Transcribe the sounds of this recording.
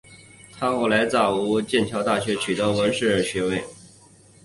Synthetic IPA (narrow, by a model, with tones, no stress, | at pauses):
t̪ʰa˥xwɔ˥˩la˧˥ɪt͡sɑ˥˩u˧˥t͡ɕjɛ˥˩nt͡ɕʰjɑ˧˥ʊt̪a˥˩ɕɥɛ˧˥t͡ɕʰy˨˩t̪ə˧˥wə˧˥nʂɻ̩˥˧ɻə˥˩nɕɥɛ˧˥we˥˩ɪ